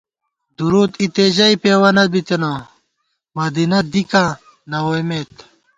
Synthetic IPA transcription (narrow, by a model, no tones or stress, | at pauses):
d̪uɾuːt̪it̪eʑɐipeːwɐnɐt̪̚bit̪ena | mɐd̪inɐd̪ikã | nɐwojmet̪